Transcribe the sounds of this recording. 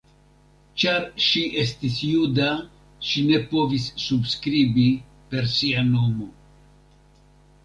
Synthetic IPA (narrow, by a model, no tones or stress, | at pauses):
t͡ʃaɾʃiʔe̞stisjuda | ʃine̞po̞visːubskɾibi | pe̞ɾsiano̞mo̞